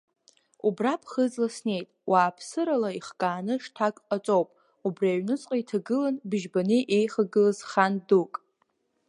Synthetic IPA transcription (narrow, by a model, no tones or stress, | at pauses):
ubrapʰχəzlasne̞jtʼwʔaːpʰsɨɾalaiχkʼaːnɨʂtʰakʼat͡sʷʼowpʼ | ubraɥnɨt͡sʼqʼaitʰaɡɨlanbɨʒbanɨʔe̞jχaɡɨlazχandukʼ